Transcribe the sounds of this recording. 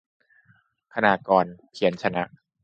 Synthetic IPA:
kʰa˧naː˧˩kɔː˧npʰi˩˦ənt͡ɕʰa˧na˦˥ʔ

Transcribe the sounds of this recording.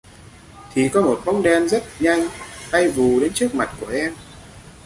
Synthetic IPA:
t̪ʰi˨˩kɔ˨˦mo˨˩t̚ɓa˦˥wŋ͡mɗɛ˧nzə˦˥t̚ɲa˧jŋ̟ha˧jvu˨˩ɗe˨˦nt͡ɕɨ˦˥ək̚ma˨˩t̚ku˧˩əʔɛ˧m

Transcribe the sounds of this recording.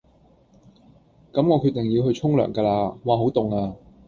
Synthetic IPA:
kɐ˨˥mŋɔː˨˧kʰɵ˨˧˥t̪ɪ˨˩ŋji˧wɦɵ˧ɥt͡ʃʰʊ˥ŋlœ̰ː˨˩ŋkaː˧laː˧waː˨˩ɦo˨˥wt̪ʊ˨˩ŋaː˧

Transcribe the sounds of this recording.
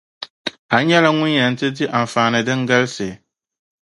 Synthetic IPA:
a˨˦ɲɛ˦la˦ŋʊ̃˦njã˨n̩˦tʰɪ˦di˦ʔã˨ɱ˨fãː˨nɪ̃˨dɪ˦ŋ̩˦ɡa˦lsɪ˨

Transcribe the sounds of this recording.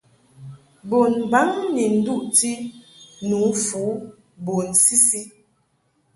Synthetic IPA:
bo˨nba˨˦ŋni˨n̩˦du˦˨ʔti˦nu˨˦fu˨˦ | bo˨nsi˦si˦

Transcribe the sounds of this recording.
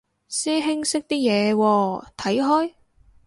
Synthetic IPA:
sɛː˥ɦɪ˥ŋsɪ˥k̚t̪iː˥jɛː˨˧wɔː˧t̪ʰɐ˨˥jɦɔː˥j

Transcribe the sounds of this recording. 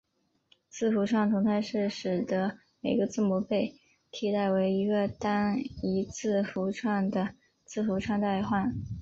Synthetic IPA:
t͡sʰɹ̩˥˩fu˧˥ʈ͡ʂʰwɑ˥˩ŋt̪ʰʊ˧˥ŋt͡s̪ʰa˥˧ɪʂɻ̩˥˩ʂɻ̩˨˩d̪ə˧˦ | me˨˩ɪɡə˧˦t͡sɹ̩˥˩mɔ˧˥pe˥˩ɪ | t̪ʰi˥t̪a˥˩ɪwe˧˥ɪi˧˥ɡə˧t̪a˥ni˧˥t͡sʰɹ̩˥˩fu˧˥ʈ͡ʂʰwa˥˩ŋd̪ə˩ | t͡sʰɹ̩˥˩fu˧˥ʈ͡ʂʰwa˥˧ŋt̪a˥˧ɪxwa˥˩n

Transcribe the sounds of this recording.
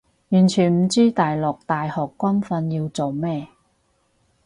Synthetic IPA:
jyː˨˩nt͡ʃʰyː˨˩nm̩˨˩t͡siː˥t̪aː˨jlɔ˨k̚t̪aː˨jhɔː˨˩kːʷɐ˥nfɐ˧njiː˧wt͡so˨wmɛː˥

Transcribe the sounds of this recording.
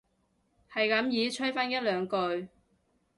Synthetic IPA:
hɐ˨jkɐ˨˥mjiː˨˧t͡ʃʰɵ˥faː˥njɐ˥t̚lœː˨˧ŋkɵ˧ɥ

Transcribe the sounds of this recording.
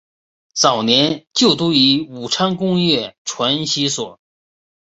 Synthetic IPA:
t͡sɑ˨˩ʊnjɛ˧˥nt͡ɕjo˥˩ʊt̪u˥i˧˥u˨˩ʈ͡ʂʰa˥ŋkʊ˥ŋjɛ˥˩ʈ͡ʂʰwa˧˥nɕi˥swɔ˨˩˦

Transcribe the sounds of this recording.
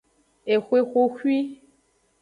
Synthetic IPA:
e˨xwe˦xʷo˦xwi˦

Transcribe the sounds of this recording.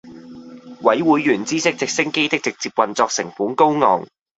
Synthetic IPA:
wɐ˨˥jwuː˨˥jɥyː˨˩nt͡siː˥sɪ˥k̚t͡sɪ˨k̚sɪ˥ŋke˥jt̪ɪ˥k̚t͡sɪ˨k̚t͡siː˧p̚wɐ˨nt͡sɔː˧k̚sɪ˨˩ŋfuː˨˥ŋko˥wŋɔ̰ː˨˩ŋ

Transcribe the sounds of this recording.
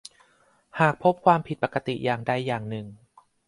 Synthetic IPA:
haː˨˩k̚pʰo˦˥p̚kʰwaː˧mpʰi˨˩t̪̚pa˨˩ka˧t̪i˨˩ʔjaː˨˩ŋda˧˩jːaː˨˩ŋnɯ˨˩ŋ

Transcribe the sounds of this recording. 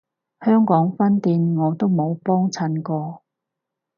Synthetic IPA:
hœː˥ŋkɔː˨˥ŋfɐ˥nt̪iː˧nŋɔː˨˧t̪o˥wmo˨˧wpɔː˥ŋt͡sʰɐ˧nkɔː˧

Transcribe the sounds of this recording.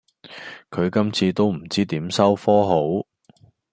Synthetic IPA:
kʰɵ˨˧ɥkɐ˥mt͡sʰiː˧t̪o˥wm̩˨˩t͡siː˥t̪iː˨˥msɐ˥wfɔː˥ɦo˨˥w

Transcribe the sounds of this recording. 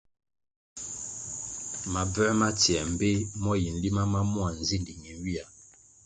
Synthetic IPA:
ma˨bɛ˦ma˦tjɛ˨m̩˨be˦mɔ˦ji˨n̩˨li˦ma˦ma˦mwa˨n̩˨zi˦n˨li˨ŋi˨n˦wi˦a˨

